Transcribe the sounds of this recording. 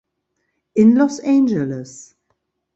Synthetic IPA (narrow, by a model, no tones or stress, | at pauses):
ɪ̃nlɔsẽnd͡ʒələs